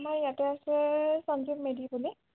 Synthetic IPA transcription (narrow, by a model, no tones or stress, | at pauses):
maɹjatɛasɛsɔnzipmedibuli